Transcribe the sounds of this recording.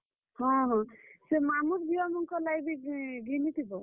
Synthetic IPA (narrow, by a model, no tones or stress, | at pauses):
ɦɔ̃ɦɔ̃semamut̪biwamɔŋkɔlajbiɡinit̪ʰibɔ